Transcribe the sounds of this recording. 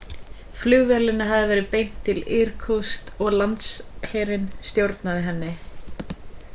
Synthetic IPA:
flʏɣvɛlɪnːaɦaðɪvɛːɾɪpejn̥t̪ʰːɪlɪɾ̥kʰɔst̪ɔɣlant̪sheːɾɪnst̪jowɾt̪naðɪɦɛnːɪ

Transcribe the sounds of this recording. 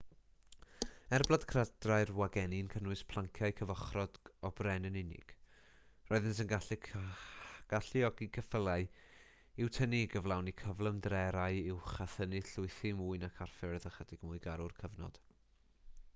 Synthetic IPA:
ɛrblˠad̥kʰrad̥raɨrwaɡɛninkʰənwɨspʰlˠaŋkʰjaɨkʰəvɔχrɔd̥ɔbrɛnənɪnɪ̰ɡ̥ | rɔɨðɪnsənɡaɬʰ | ɡ̥aɬɪɔɡiɡʰəfəlˠaɨ | ɪwtʰəniɡəvlˠawnikʰəvlˠəmdrɛɾaɨɪwχaθənɨɬʊɨθɪmuːɨnakʰarfɛrðəχədɪɡ̥muːɨɡaɾʊrkʰəvnɔ̰d̥

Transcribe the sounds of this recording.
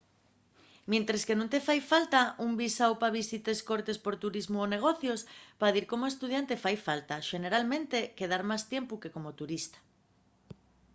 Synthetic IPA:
mẽnt̪ɾeskenũnt̪efajfalt̪aʔumbisawpaβisit̪eskoɾt̪espoɾt̪uɾizmooneɣ̞oθjospaðiɾkomoest̪uð̞jant̪efajfalt̪aʃeneɾalmẽnt̪ekeðaɾmast̪jempukekomot̪uɾist̪ḁ

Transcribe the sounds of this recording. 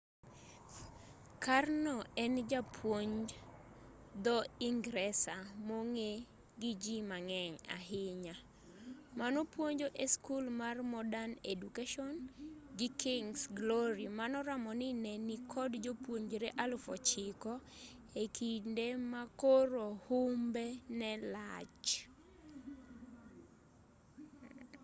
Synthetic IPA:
karnɔɛnd͡ʒapʰwoɲd͡ʒ | d̪ɔiŋɡɾɛsamoŋe | ɡɪd͡ʒimaŋɛɲa̰ɦɪɲa | manopwoɲd͡ʒoʔeskulmarmɔdanedukeʃɔnɡɪkɪŋsɡlɔɾimanɔɾamɔnɪnɛnikʰɔdd͡ʒopwoɲd͡ʒɾeʔalʊfɔ̰t͡ʃɪkɔ | ekindemakoɾohumbenɛlat͡ʃ

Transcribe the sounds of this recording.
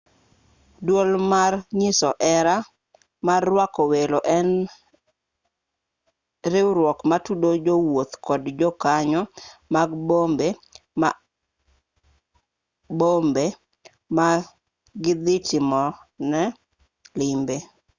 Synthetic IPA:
dwolmarɲɪsɔʔɛɾa | marːwakɔweloʔɛn | ɾɪwɾwɔkmatudod͡ʒowot̪kɔdd͡ʒɔkaɲɔmaɡbombema | bombe | ma | ɡɪd̪ɪtɪmɔnɛ | lɪmbe

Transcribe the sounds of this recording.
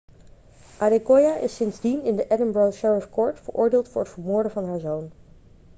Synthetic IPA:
ʔadekɔjaʔɪ̰sːɪnzdinɪndəʔɛdənbɹɔlʃɛɹəfkɔɹtfəɹʔʊ̰ːɹdeːlˠtfʊːɹətfəɹmʊːɹdəvɑnɦaːɹzown

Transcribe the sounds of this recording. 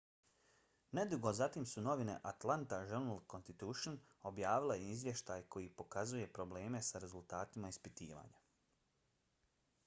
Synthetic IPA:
ne̞d̪uɡo̞zat̪imsuno̞ʋine̞̰ʔat̪lˠant̪aʒuɾnalˠkonst̪it̪uʃon | o̞bjaːʋilejeizʋje̞ʃt̪aːjkʰo̞jipo̞kazuje̞pɾo̞ble̞ːme̞saɾe̞zulˠt̪aːt̪imaispit̪ḭːʋa̰ɲa

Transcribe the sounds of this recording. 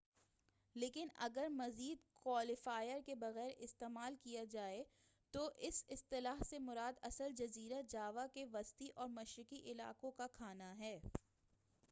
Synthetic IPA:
leːkɪnɐ̰ɡəɾmɐziːd̪kwaːlɪfaːjəɾkebɐɣɛːɾɪst̪eːmaːlkijad͡ʒaːe | t̪oʔɪsɪst̪ɪlaːɦsemʊɾaːd̪ɐsəld͡ʒɐziːɾad͡ʒaːʋakeʋɐst̪iʔɔːɾmɐʃɾɪkiʔɪla̰ːkõkakʰaːnaɦɛː

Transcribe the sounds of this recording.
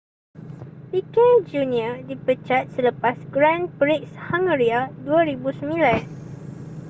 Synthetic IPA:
pikɛnd͡ʒuniədipət͡ʃat̪̚sələpasɡɾãnpɾikshaŋəɾiaduaɾibusəmĩlan

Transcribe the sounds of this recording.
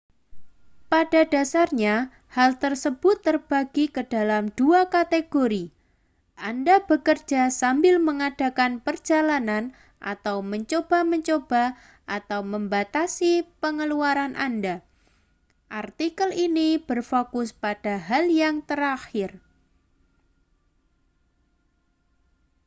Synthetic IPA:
padada̤sarɲa | halt̪ərsəb̥ʊt̪ːərb̥aɡikəd̥alamd̥uakat̪eɡ̥oɾi | ʔandab̥əkərd͡ʒasambɪlməŋad̥a̤kanpərd͡ʒalanan | ʔa̰t̪awməɲt͡ʃob̥aməɲt͡ʃob̥a | ʔat̪awməmbat̪asipəŋəluaɾanʔanda | ʔart̪ikəlinib̥ərfokʊspad̥aɦaljaŋt̪əɾaxɪr

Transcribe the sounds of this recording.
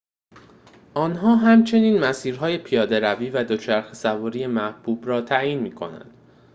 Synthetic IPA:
ʔɒːnɦɒːɦæmt͡ʃʰe̞niːnmæsiːɾɦɒːje̞pʰijɒːd̪e̞ɾæviːvæd̪ot͡ʃʰæɾxesævɔːɾiːje̞mæhb̥uːbɾɒːt̪ʰæʔjiːnmiːkʰo̞̰næ̰nd̪̥

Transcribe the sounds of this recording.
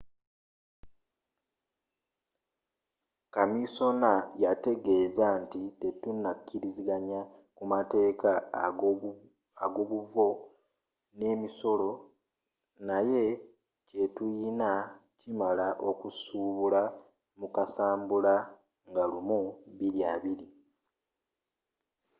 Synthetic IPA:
kamiso̞najate̞ɡe̞ːzantite̞tunakʰːiɾiziɡaɲa | kumate̞ːka | aɡo̞βuvo̞ | ne̞ːmiso̞lo̞ | naje̞ | ce̞tujinacimalaʔo̞kusuːβula | mukasaːmbula | ŋɡalumuβiɾjaːβiɾi

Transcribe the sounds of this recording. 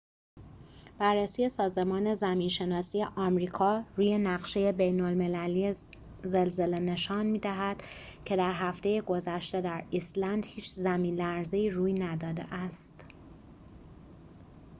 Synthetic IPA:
b̥ærːesiːje̞sɒːze̞mɒːne̞zæmiːnʃe̞nɒːsiːje̞ʔɒːmɾiːkʰɒːɾuːje̞næɣʃe̞je̞be̞jnolme̞læliːe | ze̞lze̞le̞ne̞ʃɒːnmiːd̪æɦæd̪̥ | cʰe̞d̪æɾɦæft̪e̞jeɡo̞zæʃt̪e̞d̪æɾislænd̪hiːt͡ʃʰzæmiːnlæɾze̞iːruːjnæd̪ɒːd̪ḛʔæst̪

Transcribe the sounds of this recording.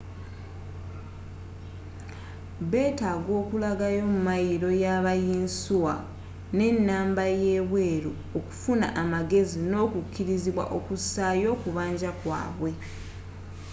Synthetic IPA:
βe̞ːtaːɡo̞ːkulaɡajo̞mumajiɾo̞jaβajiːnsuwa | ne̞nːaːmbaje̞ːβwe̞ːɾu | oku̥funaʔamaɡe̞zino̞ːkukːiɾiziβwa̰ʔo̞kusaːjo̞ːkuβaːɲɟakwa̰ːβwe̞

